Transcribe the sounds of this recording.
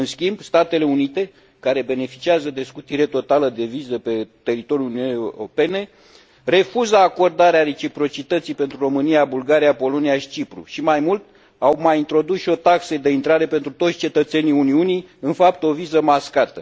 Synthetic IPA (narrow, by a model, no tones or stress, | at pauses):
ɨnskʲimb̥st̪at̪e̞le̞unit̪e̞ | kaɾe̞be̞ne̞fi̥t͡ʃiazəd̪e̞skut̪iɾe̞t̪o̞t̪aləd̪e̞vizəpe̞t̪e̞ɾit̪o̞ɾʲjuluniunope̞ne̞ | re̞fuzəako̞rd̪aɾeaɾe̞t͡ʃipɾo̞t͡ʃit̪ət̪sijpent̪ɾuro̞mɨnijabulɡaɾijapo̞lo̞niaʃi̥t͡ʃipɾṵʃimajmult̪ | awmajint̪ɾo̞d̪usʃio̞t̪aksəd̪e̞int̪ɾaɾe̞pe̞nt̪ɾut̪otsʲt͡ʃe̞t̪ət̪se̞niuniunijɨnfap̚t̪o̞vizəmaskat̪ə